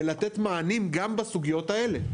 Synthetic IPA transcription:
lat̪et̪maːnimɡambasuɡijo̞t̪ae̞le

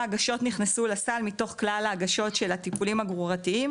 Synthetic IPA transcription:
aɡaʃo̞tniχnesulasalmito̞χklalaːɡaʃo̞tʃe̞latipulimaɡʁuʁatiim

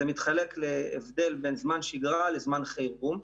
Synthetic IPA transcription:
emit̪χale̞kleːvd̪e̞lbe̞nzmanʃiɡʁalezmanχejbum

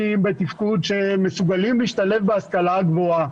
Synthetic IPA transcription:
imbet̪ifkud̪ʃemesuɡalimliːʃt̪alefbeaskalaɡvoa

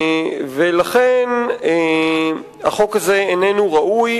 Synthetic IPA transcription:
velaχene | aχo̞khazeenenuʁaʔuj

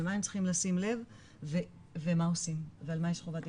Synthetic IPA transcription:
lmaemt͡sli̥χimlasimle̞v | ve | vemaosimvealmajeʃχovat̪i

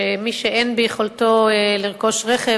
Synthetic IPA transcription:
emiʃeʔenbejeχolt̪oeliʁko̞ʃʁeχe

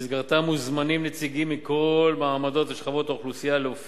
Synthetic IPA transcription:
zɡaʁt̪amuzmanimnet͡siɡimːiko̞lmaːmad̪o̞t̪veʃχavo̞t̪aoχlusijaleof

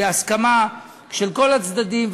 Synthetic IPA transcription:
easkama | ʃelko̞lat͡sd̪ad̪imv

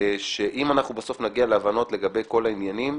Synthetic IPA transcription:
ʃe̞ʔimanaχnubaso̞fnaɡialeavano̞tle̞ɡabe̞jko̞lainjanim

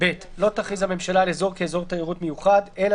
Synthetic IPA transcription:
bet̪lo̞t̪aχizhame̞mʃalalezo̞ʁkeːzo̞ʁt̪aiʁut̪mejuχad̪e̞l

